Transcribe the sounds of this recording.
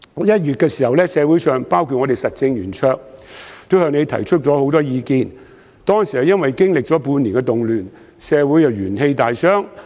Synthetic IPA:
jɐ˥t̚jyː˨t̚kɛː˧siː˨˩hɐ˨wlɛː˥sɛː˨˧wu˨˥jsœː˨˩ŋpaː˥wkʰu˨ŋɔ˧t̪e˨˩jsɐ˨t̚t͡sɪ˧ŋjyː˨˩nt͡ʃʰœː˧k̚t̪o˥whœː˧ŋne˨˧jt̪ʰɐ̰˨˩jt͡ʃʰɵ˥t̚t͡sɔː˨˥ho˨˥wt̪ɔː˥jiː˧kiː˧n | t̪ɔː˥ŋsi˨˩hɐ˨wjɐ˥nwɐ˨jkɪ˥ŋlɪ˨k̚t͡sɔː˨˥puː˧niː˨˩nkɛ˧t̪ʊ˨ŋlyː˨˩n | sɛː˨˧wuː˨˥jɐ˨˧wjyː˨˩nhe˧jt̪aː˨jsœː˥ŋ

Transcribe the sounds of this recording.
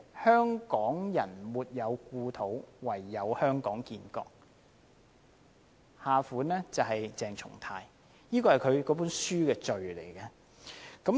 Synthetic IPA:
hœː˥ŋkɔː˨˥ŋjɐ˨˩nmuː˨t̚jɐ˨˧wkuː˧t̪ʰo˨˥wwɐ˨˩jːɐ˨˧whœː˥ŋkɔː˨˥ŋkiː˧nkɔ̰ː˧k̚ | haː˨fuː˨˥nlɛː˥t͡sɐ˨wɦɐ˨jt͡sɛː˨˩ŋt͡ʃʰʊ̰˨˩ŋt̪ʰaː˧j | jiː˥kɔː˧hɐ˨jkʰɵ˨˧ɥkɔː˨˥p̬uː˨˥nsyː˥kɛː˧t͡ʃɵ˨ɥlḛ˨˩jkɛ˧ | kɐ˨˥m

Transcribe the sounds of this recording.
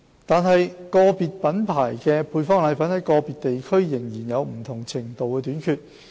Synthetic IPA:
t̪aː˨nɦɐ˨jkɔː˧piː˨t̚pɐ˨˥npʰaː˨˩jkɛː˧pʰuː˧jfɔː˥ŋlɐ˨˧˥jfɐ˨˥nhɐ˨˥jkɔː˧piː˨t̚t̪e˨jkʰɵ˥ɥjɪ˨˩ŋjiː˨˩njɐ˨˧wm̩˨˩t̪ʰʊ˨˩ŋt͡sʰɪ˨˩ŋt̪o˨wkɛː˧t̪yː˨˥nkʰyː˧t̚

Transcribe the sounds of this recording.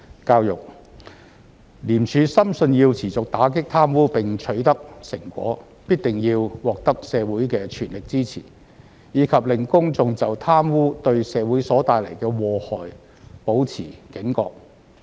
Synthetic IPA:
kaː˧wjʊ˨k̚ | liː˨˩mt͡ʃʰyː˨˧sɐ˥msɵ˧nji˧wt͡sʰiː˨˩t͡sʊ˨k̚t̪aː˨˥k̬ɪ˥k̚t̪ʰaː˥mwuː˥pɪ˨ŋt͡sʰɵ˨˥ɥt̪ɐ˥k̚sɪ˨˩ŋkʷɔ̰ː˨˥ | piː˥t̚t̪ɪ˨ŋjiː˧wwɔː˨˩k̚t̪ɐ˥k̚sɛː˨˧wuː˨˥jkɛː˧t͡ʃʰyː˨˩nlɪ˨k̚t͡siː˥t͡sʰḭː˨˩ | jiː˨˥kʰɐ˨p̚lɪ˨˩ŋkʊ˥ŋt͡sʊ˨˧ŋt͡sɐ˨wt̪ʰaː˥mwuː˥t̪ɵ˧ɥsɛː˨˧wuː˨˥jsɔː˨˥t̪aː˨˧jlɐ˨˩jkɛː˧wɔː˧hɔː˨j | po˨˥wt͡sʰiː˨˩kɪ˨˥ŋkɔ̰ː˧k̚

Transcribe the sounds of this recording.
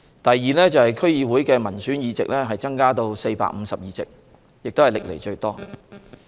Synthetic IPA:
t̪ɐ˨jːiː˨lɛː˥t͡sɐ˨whɐ˨jkʰɵ˥ɥjiː˧wu˨˥jkɛː˧mɐ˨˩nsyː˨˥njiː˨˧t͡sɪ̰˨k̚lɛː˥ɦɐ˨jt͡sɐ˥ŋkaː˥t̪o˧wse˧jpa̰ː˧k̚m̩˨˧sɐ˨p̚jiː˨˧t͡sɪ̰˨k̚ | jɪ˨k̚t̪o˥hɐ˨˩lɪ˨k̚lḛ˨˩jt͡ʃɵ˧ɥt̪ɔː˥

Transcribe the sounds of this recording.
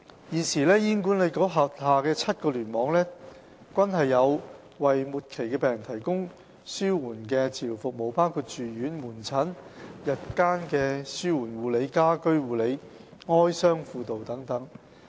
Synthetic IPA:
jiː˨˩nsiː˨˩lɛː˥jiː˥nkuː˨˥nle˨˧jkɔː˨˥ɦɐ˨t̚haː˨kɛː˧t͡sʰɐ˥t̚kɔː˧lyː˨˩nmɔː˨˥ŋlɛː˥ | kʷɐ˥nɦɐ˨jːɐ˨˧w | wɐ˨jmuː˨t̚kʰe˨˩jkɛː˧pɛː˨˩ŋt̪ʰɐ˨˩jkʊ˥ŋ | syː˥wuː˨˩nkɛː˧t͡sʰiː˨˩wfʊ˨k̚mo˨˩wpaː˥wkʰuː˧t̚t͡ʃyː˨ɥyː˨˥nmuː˨˩nt͡sʰɐ˨˥njɐ˨t̚kaː˥nkɛː˧syː˥wuː˨˩nwuː˨˩le˨˧jkaː˥kɵ˥ɥwuː˨˧le˨˧j | ŋɔː˥jsœː˥ŋfuː˧t̪o˨wt̪ɐ˨˥ŋt̪ɐ˨˥ŋ

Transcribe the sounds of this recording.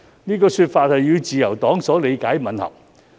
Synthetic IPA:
niː˥kɔː˧syː˧t̚faː˧t̚hɐ˨jːyː˨˧wt͡siː˨jɐ˨˩wt̪ɔː˨˥ŋsɔː˨˥le˨˧jkaː˨˥jmɐ˨˧nhɐ̰˨˩w̚

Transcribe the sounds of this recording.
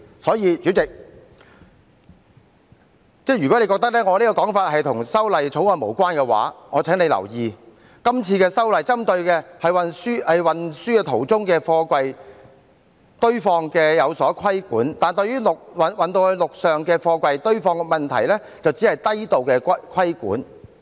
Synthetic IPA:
sɔː˨˥jiː˧t͡syː˨˥t͡sɪ˨k̚ | t͡sɛː˥ɥy˨kɔ˨˥le˨˧kɔ˧t̪ɐ˥k̚lɛː˥ŋɔː˨˧liː˦˥kɔː˧kɔː˨˥ŋfaː˧t̚hɐ˨jt̪ʰʊ˨˩ŋsɐ˥wlɐ˨jt͡sʰo˨˥wŋɔː˧nmo˨˩wkʷaː˥nkɛ˧wa̰ː˨˥ŋɔː˨˧t͡sʰɛː˨˥ŋne˨˧jlɐ̰˨˩wjiː˨ | kɐ˥mt͡sʰiː˧kɛː˧sɐ˥wlɐ˨jt͡sɐ˥mt̪ɵ˧ɥkɛː˧hɐ˨jwɐ˨nsyː˥hɐ˨jwɐ˨nsyː˥ɛ˧t̪ʰo˨˩wt͡sʊ˥ŋkɛː˧fɔː˧kʷɐ˧j | t̪ɵ˥ɥfɔː˧ŋkɛː˧jɐ˨˧wsɔː˨˦˥kʰɐ˥jkuː˨˥nt̪aː˨nt̪ɵ˧ɥyː˥lʊ˨k̚wɐ˨wɐ˨nt̪o˧whlʊ˨k̚sœː˨ŋkɛː˧fɔː˧kʷɐ˧jt̪ɵ˥ɥfɔː˧ŋ˧mɐ˨nt̪ʰɐ˨˩jlɛː˥ | t͡sɐ˨wt͡siː˨˥hɐ˨jt̪ɐ˥jt̪o˨wkɛː˧kʷkʰɐ˥jkṵː˨˥n

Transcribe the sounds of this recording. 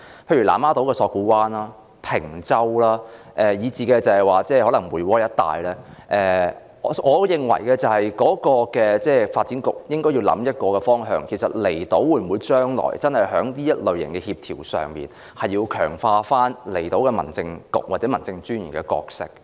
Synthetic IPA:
pʰe˧jɥy˨˩la̰ː˨˩maː˥t̪o˨˥wkɛː˧sɔː˧kuː˨˥waː˥naː˥ | pʰɪ˨˩ŋt͡sɐ˥wlaː˥ | ʔɛː˨˧jiː˨˧t͡siː˨kɛː˧t͡sɐ˨˧hɐ˨jwaː˨t͡sɛː˥˩hɔː˨˥lɐ˨˩ŋwuː˨˩jwɔː˥jɐ˥t̚t̪ːa̰ː˨jlɛː˥ʔɛː˨˩ | ɔ˨˧˥ʔɔː˨˧jɪ˨ŋwɐ̰˨˩jkɛː˧t͡sɐ˨whɐ˨jkɔː˨˥kɔː˧kɛː˧t͡sɛː˥˩faː˧t̚t͡siː˨˥nkʊ̰˨k̚jɪ˥ŋkɔː˥ji˧wlɐ̰˨˥mjɐ˥t̚kɔː˧kɛ˧fɔː˥ŋɦœ̰ː˧ŋkʰe˨˩jsɐ̰˨t̚le˨˩jt̪o˨˥wuː˨˧jm̩˨wuː˨˧jt͡ʃœː˥ŋlɔ̰ː˨˩jt͡sɐ˥nhɐ˨˩jɦœː˨˥ŋniː˥jɐ˥t̚lɵ˨ɥjɐ̰˨˩nkɛ˧hiː˧p̚t̪ʰiː˨˩wsœ̰ː˨ŋmḭː˨n | hɐ˨jːiː˧wkʰœ̰ː˨˩ŋfaː˧faː˥nle˨˩jt̪o˨˥wkɛ˧mɐ̰˨˩nt͡sɪ˧ŋkʊ̰˨˩k̚waː˨˩t͡sɛː˨˥mɐ˨˩nt͡sɪ˧ŋt͡ʃyː˥njy̰˨˩nkɛ˧kɔ̰ː˧k̚sɪ̰˥k̚

